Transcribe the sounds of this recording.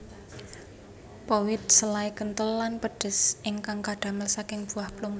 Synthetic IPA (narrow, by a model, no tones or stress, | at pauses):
powɪt̪̚səlaikənt̪əlːanpəɖ̥ə̤sʔɪŋkaŋkaɖ̥a̤məlsakɪŋb̥ṳahpluŋ